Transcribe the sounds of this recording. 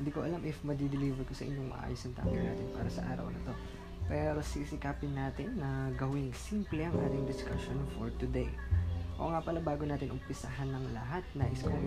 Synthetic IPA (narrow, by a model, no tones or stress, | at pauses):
hɪnd̪iːkoʔɐlamʔɪfmɐd̪ɪd̪ɪliːvɛɹko̞sɐʔɪ̰ɲːoŋmɐ̰ʔa̰ːjosɐŋt̪a̰ːɡɐjna̰ːt̪ɪnpa̰ːɾɐsɐ̰ʔa̰ːɾɐ̰wnɐ̰t̪o̞ | pɛɾo̞sisɪkaːpɪnːaːt̪ɪnːɐɡɐwɪŋsimplɛʔɐŋʔaːt̪ɪŋd̪ɪskaʃonfoɹt̪ʊd̪ejʔoʔŋapɐlɐbaːɡonaːt̪ɪnʔʊmpɪsɐɦanːɐŋlɐɦat̪̚nɐʔɪsko